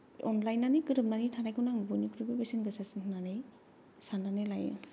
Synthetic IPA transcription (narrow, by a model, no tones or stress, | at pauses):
ɔnlajnːanɯkɯɾɯp̚nanitʰanajkunaŋbonikʰɯɾɯbebesinɡɯsasɯnʰnanɯj | sananɯlaj̰